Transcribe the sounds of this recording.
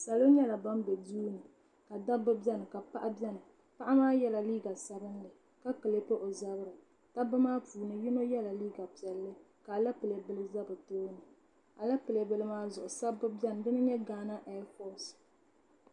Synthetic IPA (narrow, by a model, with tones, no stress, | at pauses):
sa˨lo˦ɲɛ˦la˨ba˦mbɛ˨duː˦nɨ˨ | ka˨da˦bɨ˦bɛ˦nɨ˨ka˨pa˦ʔa˦bɛ˦nɨ˨ | pa˦ʔa˦maː˦jɛ˦la˨liː˦ɡa˨sa˦bɨ˦n˦dɨ˨ | ka˦kɨ˨le˦po˦ʔo˨za˦bɾɨ˨ | ta˦bɨ˦maː˦puː˨nɨ˨jɪ˦no˦jɛ˦la˨liː˦ɡa˨pi˨ɛ˨lːɨ˦ | ka˨la˦pɨ˨le˨bɨ˨lɨ˦za˦bɨ˨toː˦nɨ˨ | a˨la˦pɨ˨le˨bɨ˨lɨ˦maː˦zʊ˨ʔʊ˨sa˦bːɨ˦bɛ˦n˨dɨ˦nɨ˦ɲɛ˦ɡaː˦na˦ʔɛ˦fɔ˦s